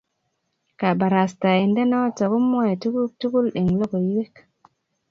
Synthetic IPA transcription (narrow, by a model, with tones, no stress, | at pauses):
ka˨ba˨ɾa˨sta˨i˨nde˦na˦wa˦ta˨ɡu˦mːo˦je˨tu˦ku˦tu˦ku˦lɗe˨ŋlo˦ko˨ji˦we˦k